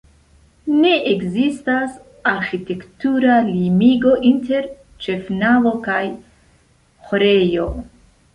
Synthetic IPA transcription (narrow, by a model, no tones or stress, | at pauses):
ne̞ʔeɡzistas | aɾxite̞ktuɾalimiɡo̞ʔinte̞ɾ | t͡ʃe̞fnavo̞kaj | xoɾejo̞